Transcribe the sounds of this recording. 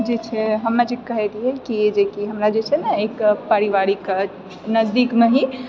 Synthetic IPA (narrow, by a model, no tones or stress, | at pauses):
d͡ʒet͡ʃʰɛɦəmnad͡ʒekːəɦɛt̪ɦɛkied͡ʒekiɦəmɾad͡ʒet͡ʃʰɛnaekpəɾiʋaɾik | nəzd̪ikmeɦi